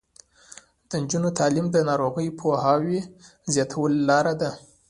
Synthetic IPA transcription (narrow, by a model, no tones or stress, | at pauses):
d̪̥ənd͡ʒunot̪ʰɑlimd̪ənɑɾoɣəjpʰoɦɑwe | zjɑt̪ʰawəlːɑɾad̪a